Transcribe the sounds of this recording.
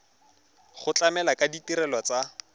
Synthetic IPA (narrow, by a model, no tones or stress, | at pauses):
χʊt͡ɬamɛlakaditiɾɛlwat͡sa